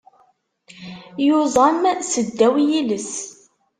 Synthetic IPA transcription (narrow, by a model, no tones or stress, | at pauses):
jʊzˤɑmsəd̪ːæwjiləs